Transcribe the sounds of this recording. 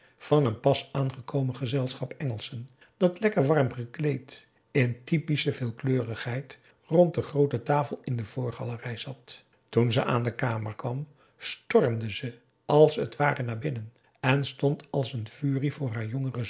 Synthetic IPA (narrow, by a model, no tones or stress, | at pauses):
v̥ɑnənpɑsaːnχəkowmənχəzɛlˠsχɑpɛŋəlˠsən | d̥ɑtlɛkəɹʋɑrmχəklejt | ɪntipisəvɪːlˠkløːrəχɦɛjt | rɔnt̚dəχrowtətaːfəlˠɪndəv̥ʊːɹχɑlərɛjz̥ɑt | tunzəʔaːndəkaːməɹkʋɑm | stɔrmdəzə | ʔɑlˠsətʋaːrənaːɹbɪnən | ɛnstɔntɑlˠsənv̥yːrivʊːɹɦaːɹjɔŋərə